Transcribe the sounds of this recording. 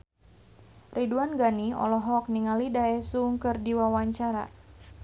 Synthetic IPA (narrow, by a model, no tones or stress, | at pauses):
rʔiduanɡaniɔ̰lɔɦɔk̚niŋalidaɛsuŋkɨrdiwawaɲt͡ʃaɾa̰